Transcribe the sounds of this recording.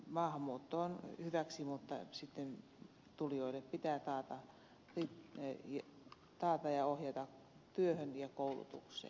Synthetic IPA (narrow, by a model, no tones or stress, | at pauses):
mɑːhɑmːˑuːt̪ːoːnhyʋæksimut̪ːɑ̰sit̪ːen | t̪ulijoileppit̪æːt̪ɑːt̪ɑ | ritjɑ | t̪ɑːt̪ɑjɑohjɑt̪ɑk | t̪yøhønjɑkoulṵt̪ṵksˑḛː